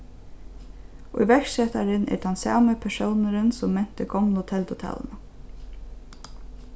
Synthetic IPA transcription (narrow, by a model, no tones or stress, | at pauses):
ʊ̰jʋɛksɛt̪aɾɪnɛ̰ɾt̪ʰansa̰ːməpʰɛʂownəɾənsʊmːɛn̥t̪əɡɔmlʊt̪ʰɛlt̪ʊt̪ʰa̰ːl̰nə